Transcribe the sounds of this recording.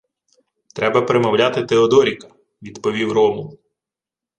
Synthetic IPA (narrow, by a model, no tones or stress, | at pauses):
t̪ɾɛbɐpɾemɐwlʲat̪ɪt̪eɔd̪ɔɾʲikɐ̥ | ʋʲid̪pɔʋʲiwrɔmʊ